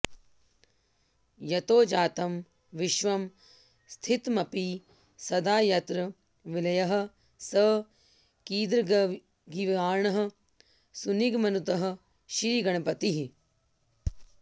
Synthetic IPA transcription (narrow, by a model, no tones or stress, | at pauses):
jɐt̪oːd͡ʒaːt̪ɐm | ʋɪʃʋɐm | st̪ʰit̪mɐpiː | sɐd̪aːjɐt̪ɾɐ | ʋilɐjɐɦɐ̆ | səː | kiːd̪ɾ | ɡiʋaːɾɳɐɦɐ̆ | suniɡmɐnut̪ɐɦɐ̆ | ʃɾiːɡɐɳɐpɐt̪iɦi